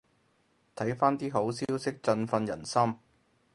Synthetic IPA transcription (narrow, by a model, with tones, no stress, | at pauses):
t̪ʰɐ˨˥jfaː˥nt̪iː˥ɦo˨˥wsi˥wsɪ˥k̚t͡sɵ˧nfɐ˧njɐ˨˩nsɐ˥m